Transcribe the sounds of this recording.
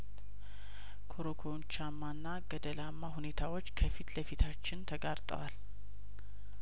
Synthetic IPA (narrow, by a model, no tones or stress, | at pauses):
kʰoɾokʰont͡ʃamːanːaɡəd̪əlamːaɦune̞t̪ʰawo̞t͡ʃːkʰəfit̪ləfit̪ʰat͡ʃːɪnt̪ʰəɡaɾt̪ʼə̰wal